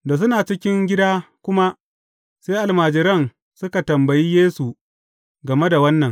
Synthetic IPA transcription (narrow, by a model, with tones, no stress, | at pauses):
da˨s̬ʊ˦naː˨t͡ʃɪ˦kʲɪ˦ŋɡʲɪ˦daː˦kʷʊ˦ma˦ | seː˦ʔa˨lmaː˨d͡ʒɪ˨ɾɐ˦ŋ | sʊ˦ka˨tɐ˨mbɐ˨ji˦jeː˦su˨ | ɡɐ˨me˦da˨wɐ˦nːɐ˨ŋ